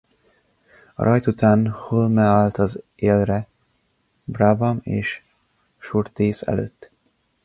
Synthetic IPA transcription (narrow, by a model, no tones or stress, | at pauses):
ɒ̰ɾʔɒjt̪ut̪aːnholmɛalt̪ɒzeːlrɛ | bravɒmḛːʃ | ʃurt̪eːsɛ̰lø̰ːt̪ː